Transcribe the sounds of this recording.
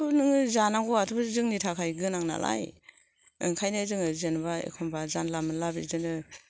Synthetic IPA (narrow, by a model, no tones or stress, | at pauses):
unɯŋɯzanaŋɡɔatʰɯbazɯŋnitʰakʰajɡɯnaŋna̰lʔa̰j | ɯ̰ŋkʰajnɯzɯŋɯzenbaḛkʰɔmbazanlamɯnlabḭzɯnɯ